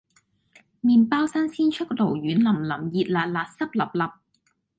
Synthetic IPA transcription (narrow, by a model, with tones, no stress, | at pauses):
miː˨npaː˥wsɐ˥nsiː˥nt͡ʃʰɵ˥k̚lo˨˩wjyː˨˥nlɐ˨˩mlɐ˨˩mjiː˨t̚laː˨˩t̚laː˨t̚sɐ˥p̚lɐ˨p̚lɐ˨p̚